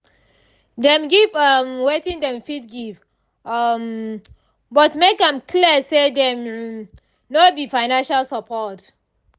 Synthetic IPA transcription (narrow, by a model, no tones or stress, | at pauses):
dɛ̃mɡivʌmwetĩndɛ̃mfitɡiv | m | bɔtmekãmkʰliəsedɛ̃m | nobifaɪnãnʃalsɔpʰɔt